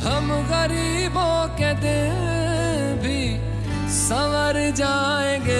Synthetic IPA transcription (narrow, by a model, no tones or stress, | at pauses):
ɦɐm | ɣəɾiː | bokẽːd̪e | bʱi | səʋəɾd͡ʒaː | ẽːɡeː